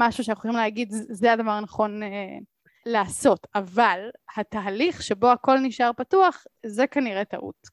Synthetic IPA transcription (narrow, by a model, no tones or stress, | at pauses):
maʃuʃanaχuoimleaɡid̪zeadavaʁnaχo̞ne | laːso̞tavalhat̪aːliχʃebo̞ako̞lniʃaʁpatuaχzekaniʁet̪a̰ʔṵt